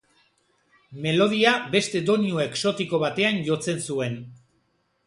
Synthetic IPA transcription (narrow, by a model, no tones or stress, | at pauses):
me̞lo̞ð̞iabe̞st̪e̞d̪o̞niue̞kso̞t̪iko̞β̞at̪e̞anʝo̞t͡se̞nsue̞n